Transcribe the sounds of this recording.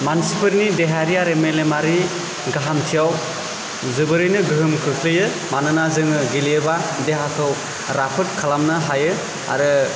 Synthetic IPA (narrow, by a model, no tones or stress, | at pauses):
mansipʰɯɾnideɦaɾijaɾemelemaɾi | ɡaɦamtʰijaw | zɯbɯɾɯjnɯɡɯɦɯmkʰɯkʰlɯjɯ | manɯnazɯŋɯɡiliebadeɦakʰɯw | ɾapʰɯt̚kʰalamnɯɦajɯ | a̰ɾɯ